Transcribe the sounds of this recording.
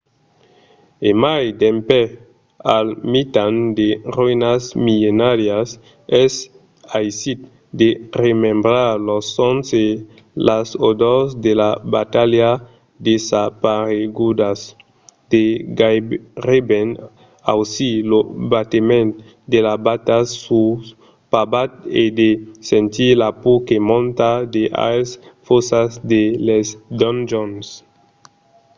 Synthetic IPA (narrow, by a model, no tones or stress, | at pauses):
emajd̪ẽmpɛ | almit̪and̪eruinasmilenaɾjas | ɛs | ajsit̪ | d̪eremẽmbɾaɾlɔsɔnse | lʔasod̪ɔsd̪elabat̪alja | d̪esapaɾeɡud̪as | d̪̥eɡajʁebɛn | a̰wsilobat̪emẽnt̪ | d̪elabat̪au | pabat̪̚ed̪esẽnt̪ilapukemɔ̃nt̪ad̪eʔa̰sfosasd̪elɛsd̪ɔnd͡ʒons